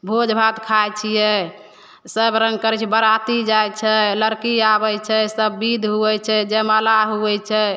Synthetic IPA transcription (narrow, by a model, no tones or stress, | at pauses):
bʱod͡ʒbʱat̪kʰajt͡ʃʰijɛ | səbɾə̃ŋɡkəɾɛt͡ʃʰɛbəɾat̪id͡ʒajt͡ʃʰɛləɾkiabɛt͡ʃʰɛsəbːid̪ʱɦuɛt͡ʃʰɛd͡ʒeməlaɦuɛt͡ʃʰɛ